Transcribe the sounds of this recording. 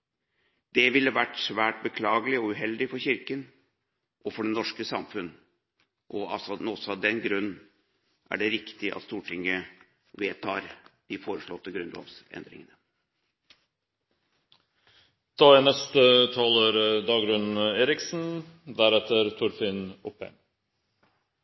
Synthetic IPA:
d̪̥ɛʋɪlːəʋæʈsʋæːʈbəkʰlɑːɡəlɪɔʉɦɛld̪ɪfɔɾçɪɾkən | ʔɔfɔɖɛnːɔʂkəsɑmfʉn | ʔɔɑsɔnɔsɔɑd̪ɛnɡɾʉnn̩ | ʔæ̰ɖɛɾɪkt̪ɪʔɑ̰t̪st̪uːʈʰɪŋːə | ʋeːt̪ʰɑːɾd̪̥ɪfoːɾəʂɭɔt̪ːəɡɾʉnlo̰ːʋsɛ̰nd̪ɾɪ̰ŋənə | d̪̥ɑːænɛst̪ət̪ʰɑːləɾd̪ɑːɡɾʉnn̩eːɾɪksn̩d̪æɾɛt̪əɾt̪ʰʊɾfɪnɔpːɛ̰ŋ

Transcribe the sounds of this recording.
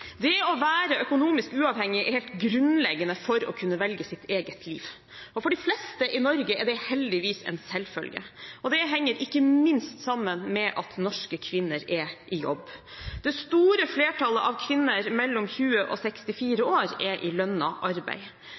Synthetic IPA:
d̪ɛɔʋæːɾəʔœkʊnuːmɪskʉːɑːʋhɛŋːɪɛɾhɛːlt̪ɡɾʉnlɛɡənəfɔɾɔ̰kʰʉnːəʋɛlɡəsɪt̪ʰeːɡət̪ʰlḭːʋ | ɔfɔɖɪflɛst̪əʔɪnɔɾɡəɛɖɛhɛld̪ɪʋiːsɛ̰nsɛlfœ̰lɡə̰ɔd̪ɛɦɛŋːəɾʔɪkːəmɪnst̪sɑmːənmɛʔɑt̪nɔʂkəkʰʋɪnːəɾɛʔɪjɔ̰bː | d̪̥ɛst̪uːɾəfleːʈʰɑləʔɑʋkʰʋɪnːəɾmɛlːɔmçʉːəʔɔ̰sɛkst̪ɪfiːɾəoːɾɛʔɪlœnːɑʔɑɾbæ̰ɪ

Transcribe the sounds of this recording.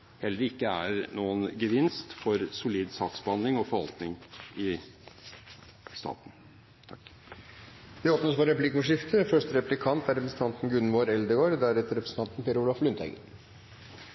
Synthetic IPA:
hɛlːəɾɪkːəæɾnuːənɡəʋɪnst̪fɔɾsʊliːd̪sɑːksbhɑnd̪lɪŋɔfɔɾhɑ̰lt̪nɪŋɪ | st̪ɑ̰ːt̪n̩ | t̪ʰɑkː | d̪ɪoːpnəspɔɾɛplɪkʊʂɪft̪ʰəfœʂʈəɾɛplɪkʰɑnt̪æɾɛpɾəsn̩t̪ɑnt̪n̩ɡʉnʋoːɾɛld̪əɡoːɾd̪æɾɛt̪əɾɛpɾəsn̩t̪ɑnt̪n̩peːɾuːlɑflʏnt̪ʰæ̰ɪɡə̰

